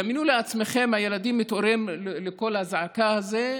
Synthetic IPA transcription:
aminuleat͡smeχe̞mhaje̞lad̪imːit̪o̞ɾemleko̞lhazʕakahaze

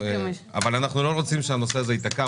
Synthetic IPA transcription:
a̰valanaχnulo̞ʁo̞t͡simʃeanoseazeit̪aka

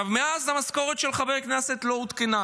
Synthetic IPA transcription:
avmeazamasko̞ʁet̪ʃelχaveʁkneset̪lo̞ut̪kena

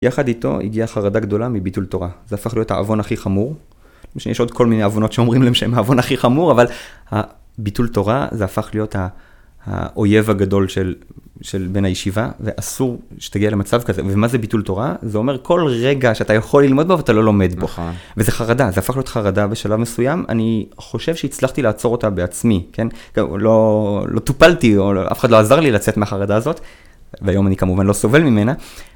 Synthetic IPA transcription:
jaχadito̞̰ʔḭɡiaχaʁadaɡdo̞lamibitulto̞ʁazeafaχlijo̞tha̰ʔa̰vo̞naχiχamuʁ | maʃejeʃo̞d̪kʰo̞lmineavono̞tʃeo̞mʁimleemʃeemaːvo̞naχiχamuʁavalha | bitulto̞ʁa̰zeafaχlijo̞tha | a̰ʔo̞je̞vaɡado̞lʃelʃelbe̞nhajeʃiva̰veʔasuʁʃe̥t̪aɡialemat͡savkaze̞̰vemaze̞bitulto̞ʁazeo̞me̞kʰo̞lʁeɡaʃeatajaχo̞lːilmo̞d̚boveatalo̞lo̞me̞dboveze̞χaʁadazeafaχlijotχaʁadabeʃalavme̞sujama̰ni | χo̞ʃe̞vʃeit͡slaχtilaːt͡so̞ʁo̞tabe̞at͡smike̞nklo̞lʔo̞t̪upaltioʔa̰fe̥χadloazaʁlilat͡setmeaχaʁadaːzo̞t | veajo̞manikamuvanlo̞so̞ve̞lmimena

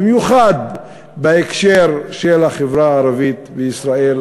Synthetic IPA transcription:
mjuχad̪ | beekʃeɾʃelaχevɾaːɾavit̪beisɾael

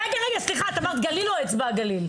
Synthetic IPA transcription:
ʁɛɡaʁeɡasliχaːt̪amaʁt̪ɡaliloet͡sbaɡalil

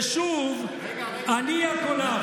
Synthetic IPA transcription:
ʃuv | andijakʰɔna

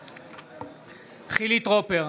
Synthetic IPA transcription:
χilit̪ʁopeʁ

